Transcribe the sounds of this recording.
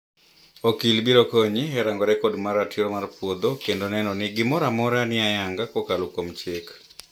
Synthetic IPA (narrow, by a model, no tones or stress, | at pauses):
okilbiɾokoɲiɦɛɾaŋɡɔɾɛkodmaɾatʰiɾomarpwod̪okendonɛnɔnɪɡɪmɔɾamɔɾanɪajaŋɡakokalokomt͡ʃek